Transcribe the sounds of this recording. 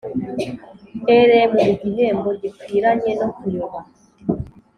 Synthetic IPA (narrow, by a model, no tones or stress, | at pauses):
eɾemueɟineːmbo̞ɟikwiːɾaɲeno̞kujoβa